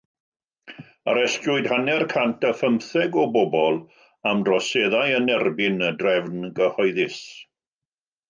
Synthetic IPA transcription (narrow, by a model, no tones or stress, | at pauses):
a̰ɾɛstʊɨdhanɛrkʰantʰəfəmθɛɡɔbɔbɔlˠ | amdrɔseðajənɛrbɪnədrɛvnɡəhɔjðɪs